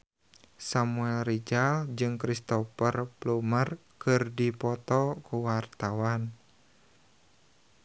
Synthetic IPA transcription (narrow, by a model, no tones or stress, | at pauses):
samuɛlrid͡ʒald͡ʒɨŋkɾist̪ɔfərplumər | kɨrdipɔt̪ɔkuwart̪awan